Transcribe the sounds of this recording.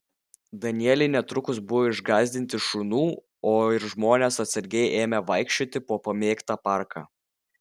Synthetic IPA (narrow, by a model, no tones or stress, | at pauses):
d̪ɐnʲɪɛlʲɪɪnʲɛt̪ɾʊkʊs̬bʊʋɔːɪʒɡɑːzʲd̪ʲɪnʲt̪ʲɪʃʊnuː | oːɪɾʒmoːnʲeːsɐt̪sɐɾʲɡʲɛɪʔeːmʲɛʋɐɪkʃʲt͡ʃʲoːt̪ʲɪpoːpɐmʲeːkt̪ɑːpɑˑɾkɑ̰ː